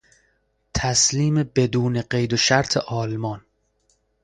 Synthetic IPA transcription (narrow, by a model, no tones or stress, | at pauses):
t̪ʰæsliːmebed̪uːneɢejd̪oʃæɾt̪ʰeʔɒːlmɒːn